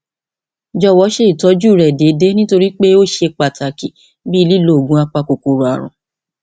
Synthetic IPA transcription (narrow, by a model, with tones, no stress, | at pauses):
d͡ʒɔ˦˨wɔ˨˦ʃe˦i˦˨tɔ˨˦d͡ʒu˦˨ɾɛ˨de˨˦de˨˦nĩ˦to˧ɾi˦k͡pe˦o˦ʃe˧k͡pa˨ta˨ki˨ | bi˦i˧li˦lo˦˨ɡũ˨˦a˧k͡pa˧ko˨ko˨ɾo˨a˨ɾ̃ṵ̃˨